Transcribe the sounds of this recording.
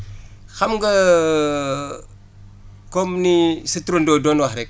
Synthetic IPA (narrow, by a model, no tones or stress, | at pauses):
xamɡə | komnisətɾundodonwaxɾek̚